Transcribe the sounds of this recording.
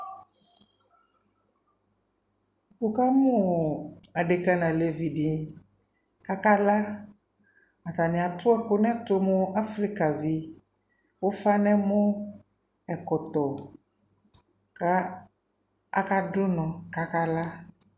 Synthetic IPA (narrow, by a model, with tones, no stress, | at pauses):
ku˨ka˦mʊ̃˦ | a˨ɖe˨ka˦nã˨le˨vi˨ɖi˨ | ka˦ka˦la˦ | a˨t̪a˨nɪ̃˨a˨t̪ʊ˦ɛ˦kʊ˦nɛ̃˦t̪ʊ˦mʊ̃˦a˦fɾi˦ka˨vi˨ | wo˦fa˦nɛ̃˦mʊ̃˦ | ɛ˨kɔ˨t̪ɔ˨ | ka˦ | a˦ka˦ɖʊ˦nɔ̃˨ka˦ka˦la˦